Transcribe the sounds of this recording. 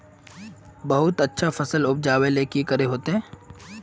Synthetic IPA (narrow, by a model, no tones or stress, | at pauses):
bɐɦʊt̪ɐtːʃʰafɐsəlʊp̚d͡ʒaːweleːkikɐɾeɦoːt̪eɦɛ̃ː